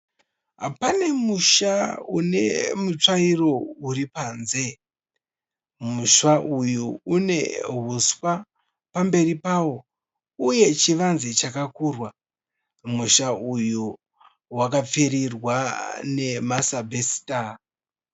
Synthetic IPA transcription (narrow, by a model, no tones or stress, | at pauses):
ɦa̰pane̞muʃaune̞̰mut͡ʂairo̞uɾipanze̞ | muʃaʔujuune̞̰ɦuswa | pambe̞ripawo̞ | uje̞t͡ʃiʋanzet͡ʃakakuːrwa | muʃauju | wakap͡feɾirwane̞masabʱesi̥ta